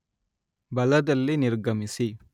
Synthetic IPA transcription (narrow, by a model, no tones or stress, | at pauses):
bɐlɐd̪ɐlːinɪɾɡɐmɪsi